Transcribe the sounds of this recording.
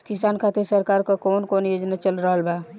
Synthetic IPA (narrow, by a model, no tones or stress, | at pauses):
kisankʰat̪eɾsəɾkaɾkakoːnkonjoːd͡ʒnat͡ʃəlɾəɦəlba